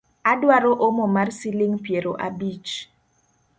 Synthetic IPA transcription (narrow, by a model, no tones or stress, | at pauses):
adwaɾoʔomomarsilɪŋpjeɾoʔa̰bit͡ʃ